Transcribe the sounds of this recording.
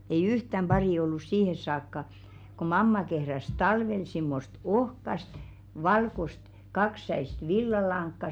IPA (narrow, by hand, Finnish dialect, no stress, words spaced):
ei yhtæm b̥ɑriˑ olːus siːhes̆ sɑːkːɑ ko mɑmːɑ kehræs tɑlʋel simːost ohkɑst ʋɑlkost kɑksːæist ʋilːɑlɑŋkːɑ